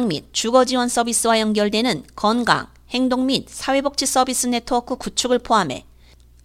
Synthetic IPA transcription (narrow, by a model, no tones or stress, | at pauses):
ŋmit̚t͡ɕuɡʌd͡ʑiwʌns͈ʌbis͈ɯwajʌŋɡjʌɭdwe̞nɯnkʌnɡa̰ŋ | he̞ŋdoŋmit̚sʰawe̞bok̚t͡ɕ͈ʰis͈ʌbis͈ɯne̞tʰʌʌkʰɯkut͡ɕʰuɡɯɭpʰoɦamɦe̞̰